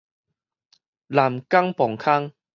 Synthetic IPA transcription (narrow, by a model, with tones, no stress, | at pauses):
la˨˩mka˦ŋpɔ˨˩ŋkʰa˦ŋ